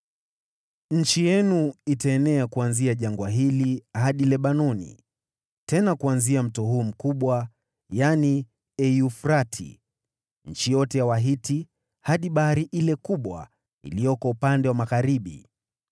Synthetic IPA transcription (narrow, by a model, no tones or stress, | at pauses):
ɲ̩t͡ʃijɛnuitaɛnɛakuanziaʄaŋɡwaɦilihaɗilɛɓanɔnḭ | tɛnakuanziam̩tɔɦuːm̩kuɓwa | jani | ɛiufɾatʰḭ | ɲ̩t͡ʃijɔtɛjawaɦiti | haɗiɓahaɾiʔilɛkuɓwa̰ | ḭlijɔkɔupandɛwamaɣaɾiɓḭ